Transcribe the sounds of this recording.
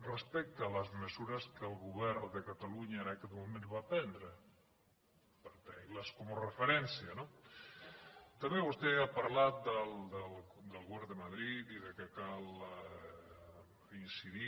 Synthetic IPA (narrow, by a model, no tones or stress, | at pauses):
respɛk̚t̪aːlazmesuɾaskelɣuβɛɾðekat̪aluɲaeɾakeðmumẽnzβat̪ɛnd̪ɾe | peɾt̪ɛlaskomorefeɾɛnsjano | t̪ameβust̪eapaɾlat̪̚d̪ald̪eld̪elˠɣoβɛɾd̪emaðɾit̪iðekekal | insiɾi